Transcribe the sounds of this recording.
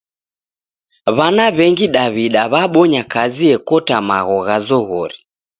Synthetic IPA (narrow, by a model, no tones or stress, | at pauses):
βanaβɛŋɡiɗaβiɗaβaɓɔɲakaziɛkɔtama̰ɣɔɣazɔɣɔɾi